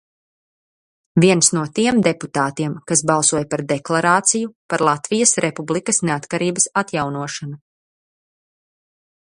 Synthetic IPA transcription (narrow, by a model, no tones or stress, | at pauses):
viɛnsnuɔt̪iɛmd̪eput̪aːt̪iɛmkas̬bɑlˠsuɔjpaɾd̪ɛklˠaɾaːt̪sijupaɾlˠat̪vijɐsɾʔɛpublˠikɐsneat̪kaɾiːbɐsat̪jawnuɔʃana